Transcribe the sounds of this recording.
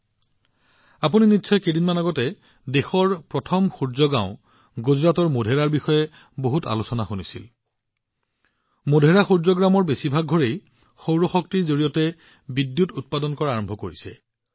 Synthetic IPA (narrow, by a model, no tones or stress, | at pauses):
apuninitːsʰɔjkedinmanaɡɔtɛ | dexɔɹpɹɔtʰɔmxuɹzɔɡã̰ʊ̃ | ɡuzɹatɔɹmodʱeɹaɹbixɔjɛ | boɦuta̰lusɔnaxunisil | modʱeɹaxuɹzɔɡɹamɔɹbesibʱaɡ̚ʱɔɹej | xowɹɔxɔktiɹzoɹijɔtɛ | bidjutut̚padɔnkɔɹaaɹɔmbʱɔkoɹisɛ̰